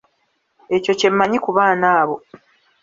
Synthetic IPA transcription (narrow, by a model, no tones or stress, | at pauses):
e̞co̞ce̞mːaɲikuβaːnaːβo̞